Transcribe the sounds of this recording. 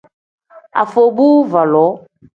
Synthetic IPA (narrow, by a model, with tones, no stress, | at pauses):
a̰˨fo˨bu˦va˨lɔ˨˦